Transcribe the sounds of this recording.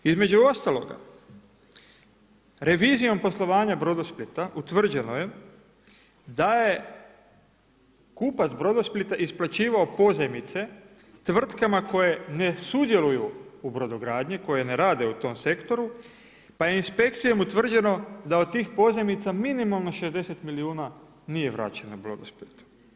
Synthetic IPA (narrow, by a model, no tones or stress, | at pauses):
izme̞d͡ʑuo̞st̪alˠo̞̰ɡa̰ | ɾe̞ʋiːzijo̞mpo̞slˠo̞ʋaːɲabɾo̞d̪osplit̪aʔut̪ʋr̩d͡ʑe̞no̞je̞ | d̪aje | kuːpat̪zbɾod̪osplit̪aʔisplat͡ɕiːʋaopo̞zemit̪se̞ | t̪ʋr̩t̪kamako̞je̞ne̞sud̪je̞lujuubɾo̞d̪oɡɾaːd̪ɲiko̞je̞ne̞ɾaːd̪e̞ut̪o̞mse̞kt̪o̞ɾu | pajeinspe̞kt̪sijo̞mut̪ʋr̩d͡ʑe̞no̞d̪aot̪̚t̪iːxpo̞ze̞mit̪saminimalˠno̞ʃe̞zd̪e̞set̪miliuːna | nije̞ʋɾa̰ːt͡ɕenobɾo̰d̪osplit̪u̥